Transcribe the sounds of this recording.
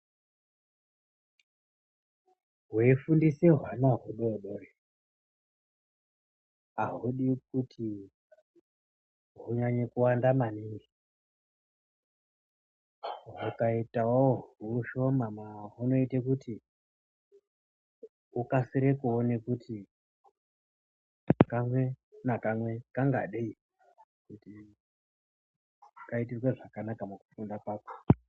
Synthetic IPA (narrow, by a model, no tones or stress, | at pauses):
ɦwefundiseɦwanaɦuɗoɗore | aɦuɗikutʰi | ɦuɲaɲekuwandamaniŋɡi | ɦukaitawoouuʃo̞mamaɦuno̞itekuti | ukasiɾekuonekuti | kamwe̞nakamwe̞kaŋɡa̰ɗei | kuti | kait̬irweʐakanakamukufundakwaːko̥